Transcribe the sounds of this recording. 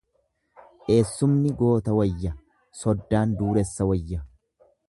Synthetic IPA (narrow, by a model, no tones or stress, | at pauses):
ʔe̞ːsːʊmnɪɡo̞ːt̪ɐwɐjːɐ | sɔd̪ːaːnd̪uːɾɛsːɐwɐjːɐ